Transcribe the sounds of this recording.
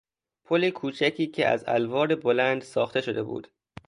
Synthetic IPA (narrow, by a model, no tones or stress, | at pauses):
pʰolekʰuːt͡ʃʰæcʰiːcʰḛʔæ̰zæ̰lvɒːɾebolænd̪̥sɒːxt̪e̞ʃod̪e̞bṵːd̪̥